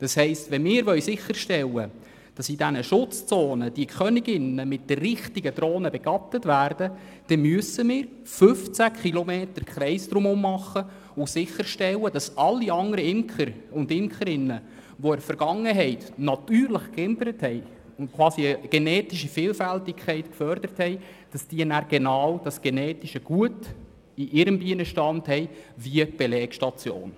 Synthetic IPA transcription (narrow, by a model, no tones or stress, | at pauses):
d̥ɑshɛɪstʋɛnmɪːɾʋœɥsɪχːəɾʃtɛlːə | d̥ɑsidænəʃʊt͡st͡soːnəd̥iəkχœnɪɡɪnəmɪt̚d̥ərːɪχtiɡədɾoːnəbɛɡ̥ɑtətvæːrdə | d̥ɛmyəsəmɪːɾ | fʏft͡sækχilɔmeːtəɾkχɾɛɪsd̪ɾʊmʊmːɑχːə | ʊsɪχəɾʃtɛwəd̥ɑsɑlːiɑŋdəɾəɪmkχəɾʊndɪmkχəɾɪnːə | ʋɔɛɾfəɾɡ̥ɑŋːəɦɛɪtnɑtyːɾləχkɪmpəɾəthɛɪ | ʊntkʰʋwɑːsiəɡ̥enɛːtiʃifɪːlfæltikʰχɛɪtkfœɾd̥əɾəthɛɪ | d̥ɑsd̥iənæɾɡ̥enɑːwd̥ɑsɡ̥enɛːtiʃəɡ̥uət | iʔɪɾəmbiənəʃtɑnthɛɪʋiəb̥elɛːkʃtɑt͡sjo̰ːn